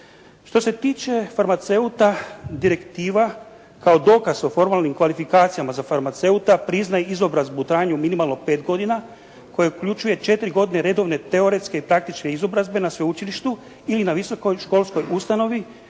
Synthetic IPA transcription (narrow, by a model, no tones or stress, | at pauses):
ʃt̪o̞se̞t̪iːt͡ʃe̞faɾmat̪se̞ut̪ad̪iɾe̞kt̪iːʋa | kao̞d̪o̞ːkazo̞fo̞ɾmaːlnimkʋalifikaːt̪sijamazafaɾmat̪se̞ut̪apɾiznajeizo̞bɾazbut̪ɾaːɲuminimalˠno̞pe̞ːt̪ɡo̞d̪ina | ko̞jeukʎut͡ʃuje̞t͡ʃe̞t̪ɾiɡo̞d̪ine̞ɾe̞d̪o̞ʋne̞t̪e̞o̞ɾe̞t̪ske̞ipɾak̚t̪it͡ʃkneizo̞bɾazbe̞nasʋeut͡ʃiliʃt̪u | ilinaʋiso̞ko̞jʃko̞ːlˠsko̞just̪ano̞ʋi